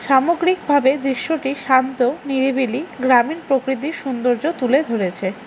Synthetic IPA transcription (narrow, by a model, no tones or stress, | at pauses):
ʃamoɡɾik̚bʱabed̪ɾiʃːoʈiʃant̪oniɾebiliɡɾaminpɾokɾit̪̬iɾʃund̪oɾd͡ʑot̪uled̪ʱoɾet͡ɕʰe